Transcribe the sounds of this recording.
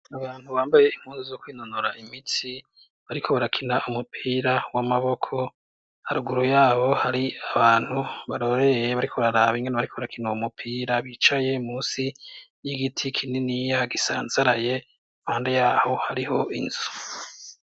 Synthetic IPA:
aβaːn̥huβaːmbaje̞im̥huːnzizokwiːnonoɾaʔimit͡si | βaɾikʰo̞βaɾakʰinaumupʰiːɾawamaβo̞kʰo̞ | haɾuɡuɾujaːβo̞haɾiaβaːn̥huβaɾo̞ɾe̞jeβaɾikʰoβaɾaɾaβiŋɡenaβaɾikʰo̞βaɾakʰinaumupʰiːɾaβit͡ʃaje̞muːsijiɡitʰikʰininijaɡisa̰ːnzaɾaje̞ | mhaːndejaːho̞haɾiho̞ʔḭnzu

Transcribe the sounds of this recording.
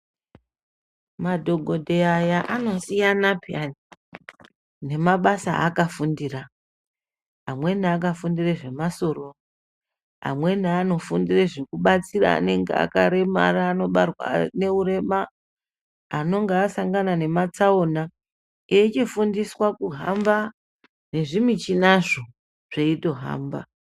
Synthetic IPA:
madʱo̞ɡʱodʱeajaʔano̞sijanapani | ne̞maɓasaʔːkafundira | ɦa̰mwe̞naak̬afundireʐe̞maso̞ro̞ | ɦa̰mwe̞naano̞fundireʐikuɓat͡sira̰ːne̞ŋɡḛa̰kaɾe̞ma̰raːno̞ɓarwa̰ne̞ure̞ma | no̞ŋɡeasaŋɡanane̞mat͡saona | et͡ʃifundiswakuɦamba | ne̞ʐimit͡ʃinaʐo̞ | ʐ̥eito̞ɦa̰ːmba̰

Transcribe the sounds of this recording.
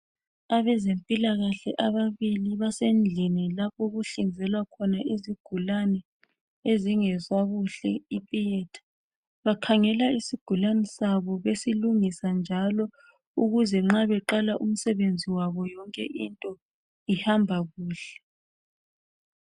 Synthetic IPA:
aβɛzempʼilaɣaɬɛ̰ʔaβaβiliβasend͡ɮʱinilapʰɔɣuɬind͡zʱɛlwakʰɔnaʔiziɡ̥ʱulanɛ | eziŋɛzwaɣuɬɛ̰ipʼijɛtʰḁ | βakʰaŋɛlaisiɡ̥ʱulanɛsaβɔβesiluŋisand͡ʒʱalɔ | uɣuzɛŋ͡ǁaβɛǃalaʔum̩sɛβend͡zʱiwaβɔjɔŋkʼɛ̰ʔintʼɔ | ihambʱaɣuːɬɛ̥

